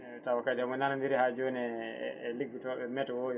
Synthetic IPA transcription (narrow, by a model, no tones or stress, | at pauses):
tawakad͡ʒɛɔmɔnanandiɾɛhad͡ʒɔnɛ̰liɡːutɔɓɛmɛtɔwoj